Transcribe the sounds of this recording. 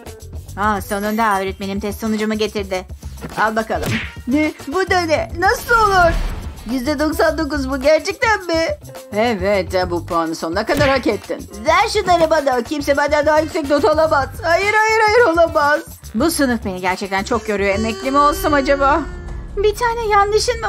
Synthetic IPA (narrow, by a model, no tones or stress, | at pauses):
asanɯnd̪aaøɾɛt̪̚be̞nimt̪ʰɛst̪sonud͡ʒumɯɟe̞t̪ʰiɾd̪ɪalˠbakalˠɯmnɛbud̪enɛnasɯlˠo̞lˠuɾ̥jyzd̪ɛd̪o̞ksand̪o̞k̬uzbuɟæɾt͡ʃʰɛc̚t̪ænbɪ | ɛvɛt̪ːɛbupanɯso̞nakad̪aɾhacet̪ʰːḭnzænʃunaɾɯbad̪acʰimsɛbænd̪ɛnd̪aɦajyksɛc̚d̪o̞t̪ʰalˠamaz̥hajɯɾajɯɾajɯɾo̞lˠamaz | busɯnɯfbe̞niɟæɾt͡ʃʰɛc̚t̪ʰænt͡ʃʰo̞k̚ɟø̞ɾyjoemɛclʲimio̞lˠsumad͡ʒabaːbit̪ʰaːnɛjand̪ɯʃinmɪ